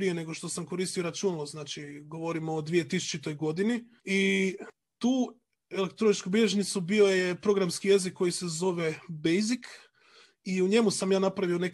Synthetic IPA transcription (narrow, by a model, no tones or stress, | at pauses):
ɾije̞ne̞ɡo̞ʃt̪o̞samko̞ɾist̪ijoiɾat͡ʃunaloznaːt͡ʃiɡo̞ʋo̞ɾimoːd̪ʋije̞t̪isu̥t͡ʃit̪o̞jɡo̞d̪ini | i | t̪uː | elek̚t̪ɾonit͡ʃkubiʎeʒnit̪subio̞jepɾo̞ɡɾamskije̞zikːo̞jise̞zo̞ʋe̞bejzik | iuɲe̞musamjaːnapɾaʋio̞ne̞k